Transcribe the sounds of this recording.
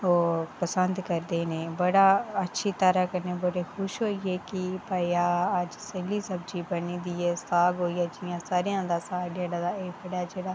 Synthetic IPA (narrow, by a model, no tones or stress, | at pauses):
oːpəsə̃nd̪kɐɾd̪eːnẽːbɐɽaɐtːʃʰit̪əɾəkənẽːbəɽixʊʃɦoːieːkipɐjaːəd͡ʒseliːsɐb̚d͡ʒibɐnĩːd̪ieːsaːɡɦoːijaːd͡ʒɪjãːsaːɾijãːd̪aːsaːɖeːɽaːd̪aeːbɐɽaːd͡ʒeːɽaː